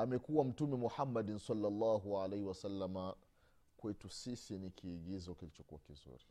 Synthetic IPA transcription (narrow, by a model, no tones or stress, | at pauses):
amɛkuwam̩tumɛmuħamːaɗinsalːalːɑːɦualejhiwasalːama | kwɛtusisinikʰiːɠizɔkilit͡ʃɔkuwakizṵɾi